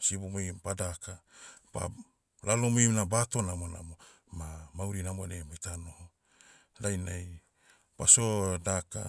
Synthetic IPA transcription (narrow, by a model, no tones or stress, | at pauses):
sibomojpadakapa̰ | lalomojnabato̞namona̰mo̞ | mamawɾinamoɾemojtano̞ho | ɾajnaj | pasodaka̰